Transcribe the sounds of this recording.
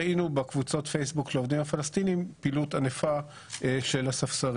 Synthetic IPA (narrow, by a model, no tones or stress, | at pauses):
inubekvut͡so̞tfejsbukleovd̪imhafalast̪inimpilutanefa | ʃe̞lasafsaʁ